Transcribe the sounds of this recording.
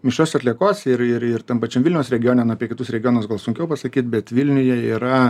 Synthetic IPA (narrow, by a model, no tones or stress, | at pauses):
mʲɪʃoːsɐt̪ʲlʲiɛkoːsɪɾɪɾɪɾt̪ɐmpɐt͡ʃʲɛmʋɪlʲnʲɛʊsɾʲɛɡʲɪjoːnʲɛmnuɐpʲiɛkʲɪtusɾʲɛɡʲɪjoːnoːsɡɐlˠsʊŋʲkʲɛʊpɐsɐkʲiːt̪̚bʲɛt̪ʋʲilʲnʲʊjɛiːɾɐ